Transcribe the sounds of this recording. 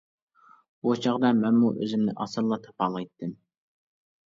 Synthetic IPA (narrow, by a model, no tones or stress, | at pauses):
bot͡ʃʰɑʁd̪ɑmɛnmuʔø̰zɪmnɪ̰ʔɑsɨlːˠɑt̪ʰɑ̥pʰɑlˠɑjt̪ʰːɨm